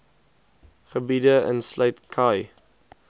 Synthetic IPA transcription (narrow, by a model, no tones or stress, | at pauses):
χəbidəə̰nslœɥtkʰɐj